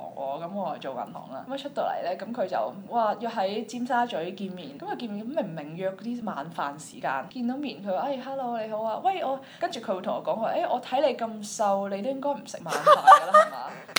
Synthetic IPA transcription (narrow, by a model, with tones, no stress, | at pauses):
ŋʔɔ̰ː˨˧kɐ˨˦mɔː˨˧t͡sɐ˨˧t͡so˨wkɐ̰˨˩nt̪ʰɔ̰ː˨˩ŋla̰ː˧˥mɐ˨˩t͡ʃʰɵ˥t̚t̪o˧˥lɐ̰˨˩jlɛː˥kɐ˨˥mkʰɵ˨˧ɥt͡sɐ̰˨wwaː˨˧jɔː˧ɦɐ˨˥jt͡siː˥msaː˥t͡ʃɵ˨˥ɥkiː˧nmiː˨˩nkɐ˨˥mkɐ˨˧wki˧nmiː˨nkɐ˧˥me˨˩mɪ˨˩ŋjœː˧k̚ːt̪iː˥maː˨˧nfaː˨nsiː˨˩kaː˧nkiː˧nt̪o˨˥wmiː˨˩nkʰɵ˨˧ɥwaː˨˩ʔɐ˥˩jɦaː˧˥lo˧wle˨˧jho˨˥waː˧wɐ˥jʔɔː˨˧ | kɐ˥nt͡ʃy˨kʰɵ˨˧ɥwt̪ʰʊ˨˩ŋɔː˨˧kɔː˨˥kːʔe˥jʔɔː˨˧t̪ʰɐ˨˥jle˨˧jkɐ˧msɐ˧wle˨˧jt̪o˥wjɪ˥ŋkɔː˥jm̩˨˩sɪ˨˩k̚maː˨˧nfaː˨ɡə˧aː˥ɐ˩˨˩ma̰ː˨˧˥